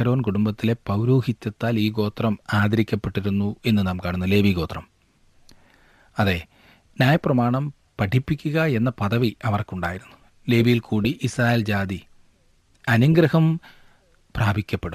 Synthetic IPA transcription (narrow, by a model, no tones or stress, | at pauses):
ɐɾo̞ːnkuɽumbɐt̪ːile̞pɐwɾoːhit̪ʲːɐt̪ːaːliːko̞ːt̪rɐmaːd̪ɐɾikʲːɐpːe̞ʈːiɾunːue̞nːɨnaːmkaːɳunːule̞ːʋiko̞ːt̪rɐm | ɐðe̞ː | njaːjɐprɐmaːɳɐm | pɐʈʰipːikʲːuɣɐe̞nːɐpɐðɐʋiʔɐʋɐrkuɳɖa̰ːjiɾunːu | le̞ːʋijilkuːɽiʔisraːjeld͡ʑaːd̪i | ɐnuŋɡɾɐhɐm | praːbʱikʲːɐpːe̞ɽum